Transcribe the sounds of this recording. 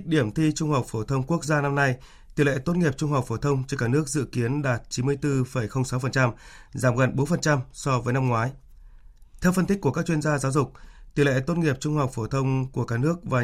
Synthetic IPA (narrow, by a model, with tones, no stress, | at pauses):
k̚ɗi˧˩əmt̪ʰi˧t͡ɕʊ˧ŋ͡mha˨˩wk͡p̚fo˧˩t̪ʰə˧wŋ͡mku˦˥ək̚zaː˧na˧mna˧j | t̪i˨˩lɛ̰˧˨t̪o˦˥t̚ŋi˨˩əp̚t͡ɕʊ˧ŋ͡mha˨˩wk͡p̚fo˧˩t̪ʰə˧wŋ͡mt͡ɕɔ˧kaː˧˩nɨ˦˥ək̚zɨ̰˧˨ki˨˦ənɗaː˨˩t̚t͡ɕi˨˦nmɨ˧əjt̪ɨ˧fə˨˩jxə˧wŋ͡msa˨˦wfə˨˩nt͡ɕa˧mzaː˧˩mɣə˨˩nɓo˨˦nfə˨˩nt͡ɕa˧msɔ˧vəː˨˦jna˧mŋwaː˨˦j | t̪ʰɛ˧wfə˧nt̪ï˦˥k̟ku˧˩əkaː˦˥k̚t͡ɕwi˧ə˧nzaː˧zaː˨˦wzʊ˨˩k͡p̚t̪i˨˩lɛ̰˧˨t̪o˦˥t̚ŋi˨˩əp̚t͡ɕʊ˧ŋ͡mha˨˩wk͡p̚fo˧˩t̪ʰə˧wŋ͡mku˧˩əkaː˦˥nɨ˦˥ək̚vaː˨˩